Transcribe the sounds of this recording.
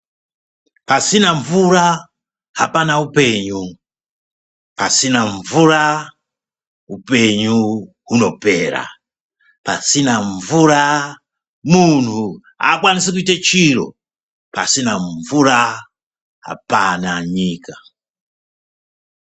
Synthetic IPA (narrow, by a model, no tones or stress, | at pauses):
pasinaɱvuɾa | hapanaupeɲu | pasinaɱvuɾa | upeɲu | ɦunɔpeɾa̰ | pasinaɱvuɾa | muntʰu | a̰kwanis̬ikuitat͡ʃiɾo̰ | pa̰sinaɱvuɾa | ɦa̰panaɲiːka